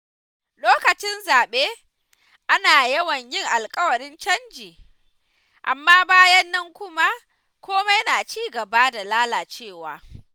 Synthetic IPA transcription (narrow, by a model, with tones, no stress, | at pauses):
loː˦kɐ˨t͡ʃɪ˦nzaː˨ɓeː˦ | ʔa˦naː˨jɐ˦wɐ˨ɲjɪ˦˨ŋʔa˨lkʼɐ˦wɐ˨ɾɪ˦nt͡ʃɐ˦nd͡ʒiː˨ | ʔa˨mːaː˦baː˦jɐ˦nːɐ˦ŋkʷʊ˦ma˦ | kʷoː˦ma˦jɐ˦naː˨t͡ʃiː˦ɡɐ˨ba˦da˨laː˦laː˨t͡ʃeː˦˨waː˨